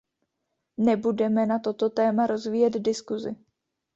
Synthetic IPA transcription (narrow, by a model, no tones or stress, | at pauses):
nɛbudɛmɛnat̪o̞t̪o̞t̪ɛːmaɾo̞zviːjɛd̪dɪskuzɪ